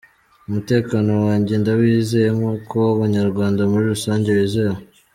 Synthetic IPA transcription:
umute̞ːkano̞waːɲɟe̞ndawiːzejemokʰowaβaɲaɾɡwaːndamuɾiɾusaːɲɟe̞wiːzeo

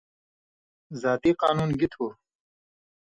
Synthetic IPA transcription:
zaːt̪iːqaːnuːnɡit̪ʰoː

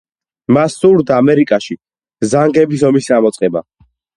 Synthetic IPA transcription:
masːuɾd̪aːmɛɾikʼaʃi | zaŋɡɛbisɔmisamɔt̪sʼqʼɛba̰

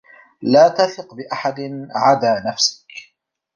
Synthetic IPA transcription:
laːt̪aθɪqbɪʔaħad̪ɪnʕad̪aːnafsɪ̥k

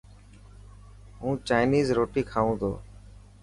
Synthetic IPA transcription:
ɦũːt͡ʃaːɪniːzɾoːʈiːkʰaːʋũːd̪o̰ː

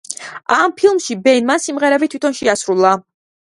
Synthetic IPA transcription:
ampʰilˠmʃibɛnmansimʁɛɾɛbit̪ʰwit̪ʰɔnʃɛasɾulˠa

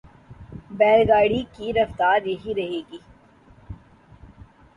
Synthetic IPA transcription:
bɛːlɡaːɽikiɾɐft̪aːɾjɐɦiɾɐɦeːɡiː

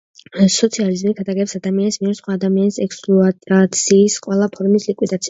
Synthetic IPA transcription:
sɔt̪sʰializmikʰat̪ʰʼaɡɛpsad̪amianismiɛɾsχwaːd̪amianisɛkspʼluat̪ʼat̪sʰiːsqʼwɛlˠapʰɔɾmislikʼwid̪at̪sʰia

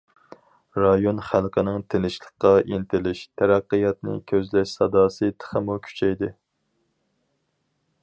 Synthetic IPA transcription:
ɾɑjonχælˠqʰənɨŋt̪ʰenɪʃlˠəqqːɑʔint̪ʰɪlɪʃt̪ʰæɾæqːəjɑt̪nɪ̰kʲʰøzlɛʃsɑd̪ɑːsɨt̪ʰə̥χəmukʲʰy̥t͡ʃʰɛjd̪ɪ

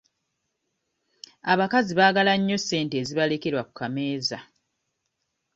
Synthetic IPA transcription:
aβakaziβaːɡalaɲːo̞se̞ːnteːziβalekeɾwaku̥kameːza

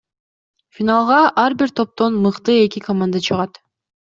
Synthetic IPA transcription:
fʲinalˠʁɑʔɑɾbiɾt̪ʰo̞p̚t̪o̞nmɯqt̪ɯe̞kikomand̪at͡ʃʰɯʁɑt̪

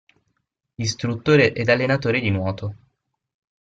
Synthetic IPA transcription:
ist̪ɾut̪ːoːɾeʔɛd̪alːenat̪oːɾed̪inwɔːt̪o

